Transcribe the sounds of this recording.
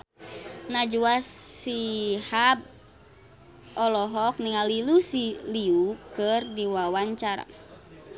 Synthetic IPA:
nad͡ʒuasihab̚ | ɔlɔɦɔk̚niŋalilusiliukɨrdiwawaɲt͡ʃaɾa̰

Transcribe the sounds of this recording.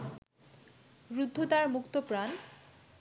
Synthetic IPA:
ɾud̪ʱːot̪aɾmukt̪opɾan

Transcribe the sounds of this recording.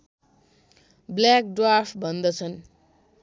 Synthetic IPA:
blak̚ɖrapʰbʱʌnd̪ʌt͡sʰʌn

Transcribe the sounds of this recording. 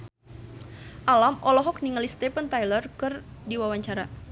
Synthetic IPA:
ʔalamɔlɔɦɔk̚niŋalist̪ɛpənt̪ajlərkɨrdiwawaɲt͡ʃaɾa

